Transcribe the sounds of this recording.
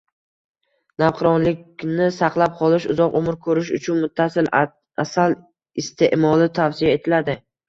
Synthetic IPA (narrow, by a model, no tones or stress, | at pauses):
nafqʰɨɾɒnlɪkʲnɪsaqlˠap̚qʰɒlˠɪʃʊzɒqomɪɾkʰɵɾɪʃʊt͡ʃʰʊnmʊt̪ʰːasɪl | asal | ɪst̪ʰe̞ʔmɒlˠɪt̪ʰafsɪjae̞t̪ʰɪlad̪ɪ